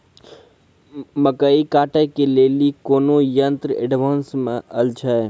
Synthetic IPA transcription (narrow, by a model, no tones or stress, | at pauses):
məkəikaːʈəjkeleːlikoːnojənt̪ɾəḛɖʋaːnsmẽʔɐlt͡ʃʰae